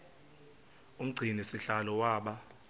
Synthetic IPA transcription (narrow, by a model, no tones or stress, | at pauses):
um̩ɡ͡ǀʱinisiɬalɔwaːɓa